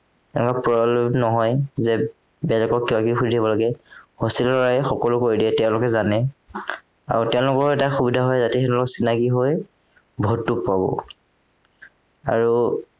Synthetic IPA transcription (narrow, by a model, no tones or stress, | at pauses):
ɛnɛkapɹɔlɛmnɔɦɔjzɛ | bɛlɛkɔkːibakixudiabɔlaɡɛhostilɔlɔɹajxɔkɔlʊkoɹidiɛtɛʊ̃lʊkɛzanɛ | a̰ɹutɛʊ̃lʊkɔɹɛtaxubidʱaɦɔjzatɛɛ̃lʊkɔsinakiɦoj | bʱɔtːuppabɔ̰ | a̰ɹu